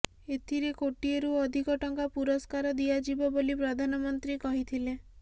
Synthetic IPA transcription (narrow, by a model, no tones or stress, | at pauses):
et̪ʰiɾekoʈieɾuɔd̪ʱikɔʈɔŋkapuɾɔskaɾɔd̪ijad͡ʒibɔbolipɾɔd̪ʱanɔmɔnt̪ɾikɔɦit̪ʰile